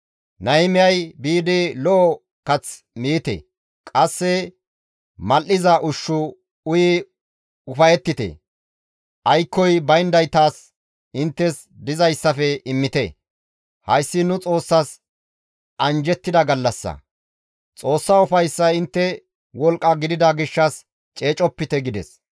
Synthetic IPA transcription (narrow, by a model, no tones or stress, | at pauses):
nɐɪmɪjɐjbiːd̪ɪlɔʔɔ | kɐt͡s | miːt̪ɛ̰ | kʼɐsːɛ | mɐlːɪzɐʔʊʃːʊ | ʊjɪ | ʊfɐjɛt̪ːɪt̪ɛ̰ | ʔɐjkːɔjbɐjnd̪ɐjt̪aːs | ɪnt̪ːɛs | d̪ɪzɐjsːɐfɛɪmːɪt̪ɛ̰ | hɐjsːɪnʊt͡sʼo̞ːsːɐs | ʔɐnd͡ʒɛt̪ːɪd̪ɐɡɐlːɐsːɐ̰ | t͡sʼo̞ːsːɐʊfɐjsːɐɪnt̪ːɛ | wɔlkʼːɐɡɪd̪ɪd̪ɐɡɪʃːɐs | t͡ʃʼe̞ːt͡ʃʼɔpːɪt̪ɛɡɪd̪ɛs